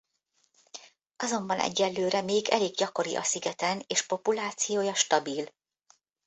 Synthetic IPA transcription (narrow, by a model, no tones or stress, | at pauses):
ɒzo̞mbɒnʔɛ̰ɟːɛlːøːɾɛmeːɡɛ̰leːɡɟɒko̞ɾḭʔɒ̰siɡɛt̪ɛneːʃpo̞pulaːt̪sijoːjɒʃt̪ɒbil